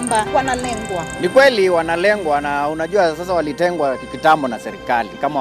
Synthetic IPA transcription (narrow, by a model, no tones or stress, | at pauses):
mbawanalɛŋɡwanikwɛliwanalɛŋɡwanaunaʄuas̬as̬awalitɛŋɡwakikitambɔnasɛɾikalḭkama